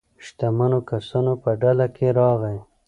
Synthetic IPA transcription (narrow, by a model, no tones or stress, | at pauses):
ʃt̪amanokasanopəɖalakeɾɑɣaj